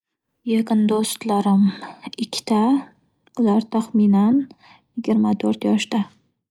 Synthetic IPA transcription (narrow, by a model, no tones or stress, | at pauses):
jeqɨnd̪ost̪laɾɪmɪkʲʰːɪ̥t̪ʰa | ʊlaɾt̪ʰaχminan | jɪɡʲɪɾmat̪ʰɵɾt̪jɒʃd̪a